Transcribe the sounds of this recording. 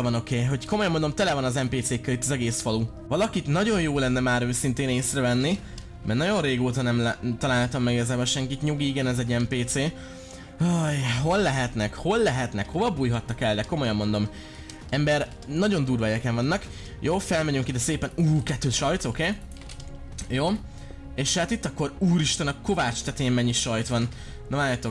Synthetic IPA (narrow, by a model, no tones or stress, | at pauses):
vɒno̞keːɦo̞cko̞mojɒmo̞nd̪o̞mt̪ɛlɛvɒnɒzɛmpeːt̪seːkːɛlit̪ːɒzɛɡeːsfɒlu | vɒlɒkit̪nɒɟo̞njoːlːɛnːɛmaːɾøːsint̪eːneːsrɛvɛnːi | mɛrnɒɟo̞nreːɡoːt̪ɒnɛmlt̪ɒlaːlt̪ɒmːɛɡiɡɒzaːbɛʃɛŋkit̪ɲuɡiiɡɛnɛzɛɟːɛmpeːt̪seː | ojɦo̞lːɛɦɛt̪nɛkho̞lːɛɦɛt̪nɛkho̞vɒbuːjɦɒt̪nɒkɛld̪ɛko̞mo̞jɒmːo̞nd̪o̞m | ɛmbɛr | nɒɟo̞nd̪uːrvɒɛkɛɱvɒnːɒk | joːfɛlmɛɟyŋkid̪ɛseːpɛnuːkɛt̪ːøːʃɒjt̪okeː | joː | eːʃhat̪it̪ːɒkːo̞ɾuːɾiʃt̪ɛnɒko̞vaːt͡ʃt̪aːt̪emmɛɲːiʃɒjt̪ʋɒn | nːɒmaːt̪o̞k